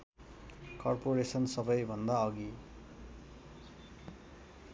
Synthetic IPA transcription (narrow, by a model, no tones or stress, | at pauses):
kʌrpoɾesʌnsʌbʌjbʱʌnd̪aʌɡi